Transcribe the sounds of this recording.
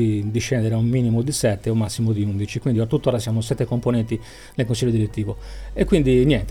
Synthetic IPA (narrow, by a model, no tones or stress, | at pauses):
id̪iʃɛnd̪eɾaumːiːnimod̪isɛt̪ːeomːasːimod̪iund̪it͡ʃikwind̪iat̪ːut̪ːoːɾasjaːmos̬ɛt̪ːekomponɛnt̪i | nelkons̬iʎːod̪iɾet̪ːiːvoekːwind̪injɛnt̪